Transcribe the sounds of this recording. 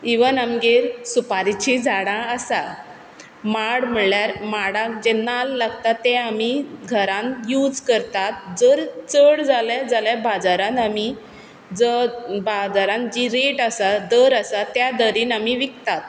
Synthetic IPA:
iʋənamɡeɾsupaɾit͡ɕid͡zaɽãəsa | maɽməɭljaɾmaɽãkd͡ʑẽnalːaɡt̪at̪ːɛ̃amiɡʱəɾãnjud͡zkəɾt̪at̪̚d͡zəɾt͡səɽd͡zaljad͡zaljabad͡zaɾãnt̪ami | d͡zəbad͡zaɾãnd͡ʑiɾeʈasad̪əɾəsat̪jad̪əɾiːnamiʋikt̪at̪̚

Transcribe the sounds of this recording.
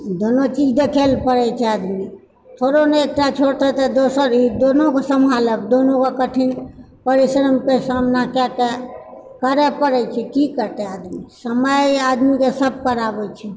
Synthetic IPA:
d̪onot͡ʃid͡ʒʱd̪ekʰelpəɾɛt͡ʃʰɛad̪mi | t̪ʰoɾoneek̚ʈat͡ʃʰoɽt̪ɛt̪ɛd̪osəɾid̪onokesəmʱaləkd̪onokekəʈʰin | pəɾisɾəmkesamnakɛke | kəɾɛpəɾɛt͡ʃʰɛkikəɾt̪ɛad̪misəməjad̪mikesəb̚kəɾabɛt͡ʃʰɛ

